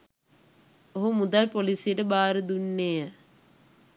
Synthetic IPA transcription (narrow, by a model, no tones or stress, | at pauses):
oɦumud̪alpolisijəʈəbaːɾəd̪unːejə